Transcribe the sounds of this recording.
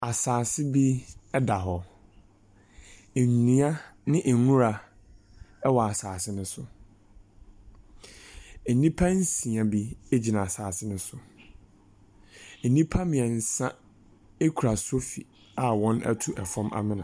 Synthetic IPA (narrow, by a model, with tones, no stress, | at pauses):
a˨saː˨sɪ˦bi˦ɛ˦da˨ɦɔ˨ | e˨n˨nĩ˨˦a˦nɪ̃˦ʔɛ˨nũ˦ɾa˨ | ɛ˦wɔ˨a˨saː˨sɪ˦nʊ̃˦sʊ˦ | e˨nĩ˦pʰa˦n̩˦sĩ˨ã˨bi˦e˦d͡ʑi˨nã˨a˨saː˨sɪ˦nʊ̃˦sʊ˦˨ | nĩ˦pʰa˦mɪ̃˨ã˨n̩˨sã˦ | e˦kʰu˨ɾa˨so˦fi˨ | a˨wɔ̃˦nɛ̰˦tʰu˦ʔɛ˨fɔ̃˦mʔa̰˦mɪ̃˦nã˨